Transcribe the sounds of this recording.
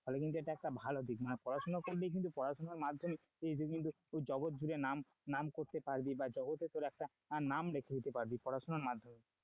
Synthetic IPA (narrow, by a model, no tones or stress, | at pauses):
fɔlekint̪̬ueʈaɛk̚ʈabʱalɔd̪ʱikmanepɔɾasɔnɔkoɾlejk̬int̪̬upɔɾasɔnaɾmad̪ʱjɔme | ejd͡ʒ̪ukint̪u | d͡ʒɔɡot̪̚d͡ʒuɾenam | namkoɾt̪epaɾbibad͡ʒɔɡot̪et̪oɾɛk̚ʈa | namɾekʰed̪it̪epaɾbipɔɾasɔnɔɾmad̪ʱːɔme